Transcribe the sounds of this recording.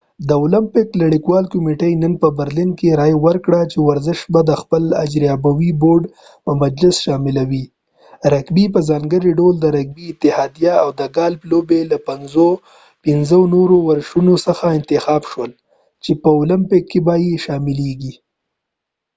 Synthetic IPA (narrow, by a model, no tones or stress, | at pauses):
d̪əʊlɪmpɪklaɽikwɑlkʊmeʈajnənpəbəɾlinkeɾɑjwəɾkɽat͡ʃewaɾzɪʃbad̪əxpəla̰d͡ʒɾjɑbawiboɾɖ | pəmad͡ʒlɪsʃɑmɪlawi | ɾakbipəzɑŋɡəɾiɖold̪əɾak̚biɪt̪ɪhɑd̪ijaawd̪əɡɑlblobelapanzo | pɪnzənoɾowaɾʃunosəxaɪnt̪ɪxɑbʃwəl | t͡ʃepəʊlɪmpɪkːebajeʃɑmɪleɡi